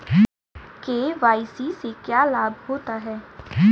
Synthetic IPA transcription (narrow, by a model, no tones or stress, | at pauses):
keːʋaːɪsisekjaːlaːbhoːt̪aɦɛː